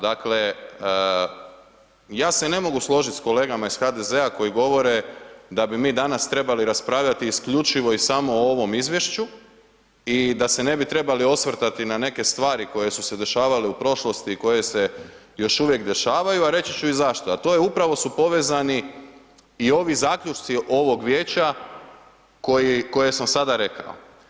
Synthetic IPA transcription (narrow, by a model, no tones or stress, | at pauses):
d̪akle̞ | jaːsene̞mo̞ɡuslˠo̞ʒit̪ʲsko̞leːɡamaisxad̪e̞ze̞ako̞jiɡo̞ʋo̞ɾe̞d̪abimiːd̪anast̪ɾe̞baliɾaspɾaːʋʎat̪iːskʎut͡ʃiʋo̞isamo̞oʋo̞mizʋje̞ʃt͡ɕu | id̪ase̞ne̞bit̪ɾe̞balio̞sʋr̩t̪at̪inane̞ke̞st̪ʋaːɾiko̞je̞suse̞d̪e̞ʃaːʋaleupɾo̞ʃlo̞st̪iːko̞je̞se̞ | jo̞ʃuʋje̞kd̪e̞ʃaːʋajuaɾe̞t͡ɕit͡ɕuizaʃt̪oat̪o̞jeupɾaʋo̞supo̞ʋeːzani | io̞ʋizaːkʎʲut͡ʃt̪siʔo̞ʋo̞ɡʋjeːt͡ɕa | ko̞jiko̞je̞samsad̪aɾe̞ka̰o̰